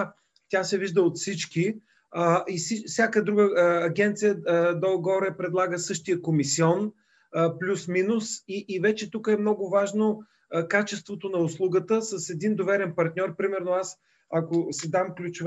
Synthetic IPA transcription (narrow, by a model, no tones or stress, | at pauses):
t̪ʲasɛviʒd̪əot̪fsit͡ʃki | əisifsʲjakəd̪ɾuɡəɐɡʲɛnt̪sijəd̪ɔɡɔɾɛpɾɛd̪lˠaɡəsɤʃt̪ijəkomisiɔn | plʲusminusiʔːvɛt͡ʃɛt̪ukəɛmnɔɡʊvaʒno | kat͡ʃɛst̪vot̪onɐʊslˠuɡət̪əsəsɛd̪ind̪ovɛɾɛnpɐɾt̪nʲɔɾpɾimɛɾnoas | ɐkosɛd̪amklʲut͡ʃʊv